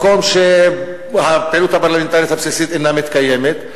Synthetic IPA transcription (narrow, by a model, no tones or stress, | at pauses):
komʃe | hapelut̪hapaʁlament̪aljit̪hapsisit̪enamit̪kaje̞met̪